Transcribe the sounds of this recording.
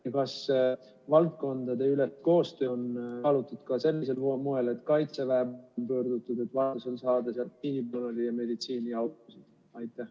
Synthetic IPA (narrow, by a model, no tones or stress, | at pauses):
jɑkɑs | vɑlt̪̚ko̞nd̪̥ɑd̪e̞ylet̪ko̞ːst̪ønɑlut̪ːˑud̪̥kɑse̞lːese̞lmoe̞le̞t̪ːkɑjt̪sevæɦemnpøːrd̪ut̪ːˑud̪e̞t̪ːˑvɑt̪uso̞nsɑːd̪̥esɑl̚iːnibonɑlijɑme̞d̪it̪siːniɑwt̪ˑusid̪̥ | ɑjt̪ːˑæh